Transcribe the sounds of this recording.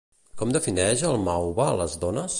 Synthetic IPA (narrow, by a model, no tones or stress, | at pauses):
kɔmd̪əfinɛʒəlˠmawβaləzðɔnəs